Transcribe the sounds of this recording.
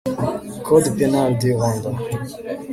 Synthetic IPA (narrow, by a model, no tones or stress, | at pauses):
kʰɔd̪pɛnald̪eʁɔ̃nd̪a